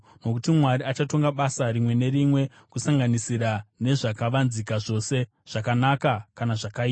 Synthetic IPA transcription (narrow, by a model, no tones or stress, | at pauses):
no̞kutimwaɾiat͡ʃato̞ŋɡaɓasaɾimwe̞ne̞ɾimwe̞ | kusaŋɡanisiɾane̞ʐakaʋanzikaʐo̞se̞ | ʐ̥akanakakanaʐakaiːa